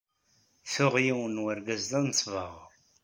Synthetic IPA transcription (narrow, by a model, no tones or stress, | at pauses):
θʊʁjiwənwəɾɡæzðænt͡sːvəʁ